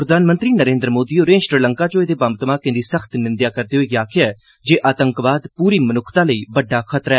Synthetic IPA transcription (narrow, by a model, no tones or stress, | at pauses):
pɾəd̪ʱaːnmə̃nt̪ɾiːnəɾẽːnd̪ɾəmoːd̪iːoːɾẽsɾələŋkaːt͡ʃõeːd̪eːbəmt̪maːkɪ̃nd̪iːsəxʰt̪nɪ̃nd̪jaːkəɾd̪eːɦoiːɡaːkʰɪjaɛː | d͡ʒeːʔaːt̪əŋkʋaːd̪puːɾiːmənʊkʰt̪ãːləiːbəɖːaːxʰət̪ɾɛː